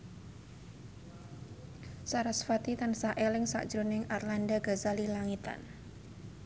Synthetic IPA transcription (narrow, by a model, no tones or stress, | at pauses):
saɾasfat̪it̪ansaʔelɪŋsa̰ʔd̥d͡ʒ̥ɾunɪŋʔarlandaɡ̥a̤zalilaŋit̪a̰n